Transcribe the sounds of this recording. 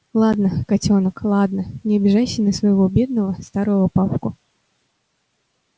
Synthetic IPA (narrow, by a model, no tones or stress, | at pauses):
lˠad̪nəkɐtʲonəklˠad̪nənʲɪbʲɪʐaɕːɪjnəsvəjɪvobʲed̪nəvəst̪aɾɨjɐpapkʊ